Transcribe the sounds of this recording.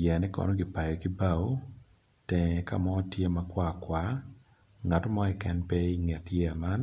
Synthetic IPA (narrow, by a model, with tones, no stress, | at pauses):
jɛ˨nɛ˦kɔ̰˨no˦ɡi˨pa˨jo˨ki˦ba˦˨wo˦ | tɛŋɛka̰˨mɔ˦tje˦ma˨kwa˦kwa˦ | ŋa˨to˦mɔ˦ɛ˨kɛ˨npɛ˦i˦ŋɛ˨tjɛ˨ma˦n